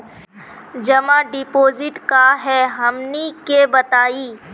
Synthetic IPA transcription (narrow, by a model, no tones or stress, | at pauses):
d͡ʒɐmãɖɪpoːzɪʈkaɦɛɦɐmnikebɐt̪aːiː